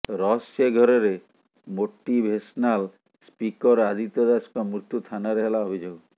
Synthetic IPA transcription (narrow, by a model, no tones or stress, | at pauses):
ɾɔseɡʱɔɾɔɾe | moʈːibʱesnal | spikɔɾad̪it̪ɔd̪askamɾut̪jut̪ʰanaɾeɦelaobʱid͡ʒoɡ